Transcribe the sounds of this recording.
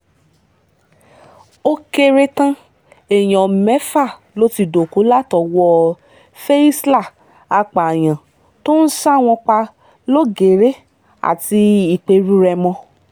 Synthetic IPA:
o˦ke˧ɾe˦tã˦ | e˨j̃ɔ̃˨mɛ˨˦fa˦˨ | lo˦ti˧do˨ko˨˦la˦tɔ˧˨wɔ˧ | fɛ˦i˦sla˦˨ | a˧k͡pa˨j̃ã˨ | to˦n̩˦sa˦˨w̃ɔ̃˧k͡pa˧ | lo˦ɡe˨ɾe˦ | a̰˨ti˧i˨k͡pe˧ɾu˦ɾɛ˧mɔ̃˧

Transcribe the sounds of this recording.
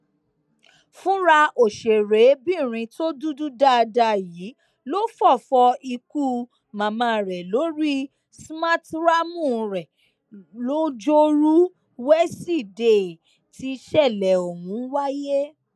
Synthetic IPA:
fũ˦ɾa˧o˨ʃe˨ɾe˨˦bĩ˦˨ɾ̃ĩ˧to˦du˦du˦da˦˨˧da˧jiː˨˦ | lo˦fɔ˦˨fɔ˧i˧ku˦˨ | mã˨mã˧˨ɾɛ˨lo˨˦ɾi˦ | sma˦tɾa˦mũ˦˨˧ɾɛ˨ | lo˦d͡ʒo˦ɾu˦ | wɛ˦si˦˨de˨ | ti˧ʃɛ˦˨lɛ˨o˨wũ˨˦wa˦je˦

